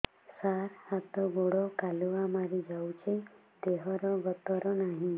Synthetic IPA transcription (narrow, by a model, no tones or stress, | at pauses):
saɾhat̪ɔɡoɽɔkaluʋamaɾid͡ʒawt͡ʃʰe | d̪eɦɔɾɔʋət̪ɔɾɔnaɦĩ